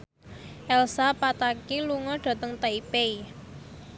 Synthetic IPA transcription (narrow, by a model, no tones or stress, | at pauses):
ʔɛlsapat̪akiluŋɔɖ̥a̤t̪əŋt̪aipei